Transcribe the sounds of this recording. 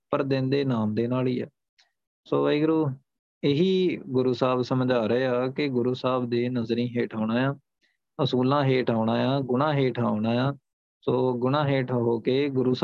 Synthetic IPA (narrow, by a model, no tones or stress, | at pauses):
pəɾd̪ɪ̃nd̪eːnaːmd̪eːnaːliːɛ̰ː | soːiːɡʊɾuː | ɪɦiːɡʊɾuːsaːbsəmd͡ʒaːɾeːaːkɪɡʊɾuːsaːbd̪eːnəzɾĩːɦeːʈʰaːʊɽãːjãː | əsuːlãːɦeːʈʰaːʊɽãːjãːɡʊɽãːɦeːʈʰaːʊɽãːjãː | soːɡʊɽ̃ãːɦeːʈʰɦoːkeːɡʊɾuːs